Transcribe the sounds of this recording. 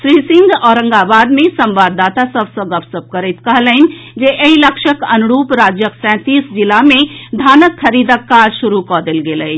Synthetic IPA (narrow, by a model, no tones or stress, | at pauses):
ʃɾiːsɪ̃ŋɡɔːɾə̃ŋɡabaːd̪mẽsə̃mʋaːd̪ːaːt̪asəbsəɡəbsəb̚kəɾət̪kɐɦələɪnd͡ʒeʔeɦiləkʃəkɐnʊɾuːpɾaːd͡ʒjəksɛ̃ːt̪iːsd͡ʒɪlamẽd̪ʱaːnəkʰːɐɾiːd̪əkːaːd͡ʒʃʊɾukɔːd̪elɡelə